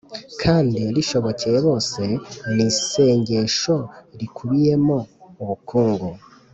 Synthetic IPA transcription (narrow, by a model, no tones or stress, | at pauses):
kʰaːndiɾiʃo̞βo̞cejeβo̞ːse̞nise̞ːɲɟe̞ːʃo̞ɾikʰuβije̞mouβukʰuːŋɡu